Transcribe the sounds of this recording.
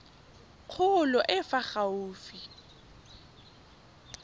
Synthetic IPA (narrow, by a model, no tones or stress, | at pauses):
q͡χʰʊlɔʔɪfaχauːfi